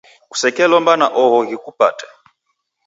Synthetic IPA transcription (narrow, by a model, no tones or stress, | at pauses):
ku̥sɛkɛlɔmbanaʔɔɦɔɣikupatɛ̥